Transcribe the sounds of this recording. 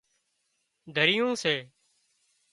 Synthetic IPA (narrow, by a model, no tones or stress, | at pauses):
d̪ʱəɾɪjõːseː